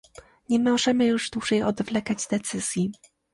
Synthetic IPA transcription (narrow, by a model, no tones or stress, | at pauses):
ɲɛmɔʐɛmɘjuʐd̪wuʐɛjɔd̪vlɛkad͡ʑd̪ɛt̪sɘz̥ʲji